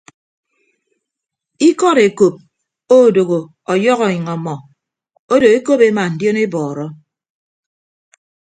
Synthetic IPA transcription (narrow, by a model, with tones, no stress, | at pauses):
i˦kɔ˦ɾe˨ko˨p̚ | o˦˨do˨ɣo˨ | ɔ˨jɔ˦ɣɔ˨ɲi˨ŋɔ˨mɔ˨ | o˦do˨e˦ko˦pe˦ma˨n̩˨djo˦ne˦bɔː˨ɾɔ˦